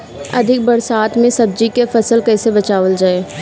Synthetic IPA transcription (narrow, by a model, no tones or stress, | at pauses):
ɐd̪ʱɪk̚bɐɾsaːt̪mẽsɐb̚d͡ʒikefɐsəlkɛːsebɐt͡ʃaːʋəld͡ʒaːeː